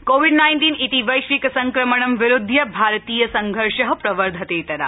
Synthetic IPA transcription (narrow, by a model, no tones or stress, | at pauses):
koʋiɖnajnʈiːnit̪iʋɐjʃʋiksɐŋkɾɐməɳ̃ɐmʋɪɾʊd̪ʱːjɐbʱaɾt̪ijɐsɐŋɡʱəɾʃɐɦɐpɾɐʋəɾd̪ʱɐt̪eːt̪ɐɾa̰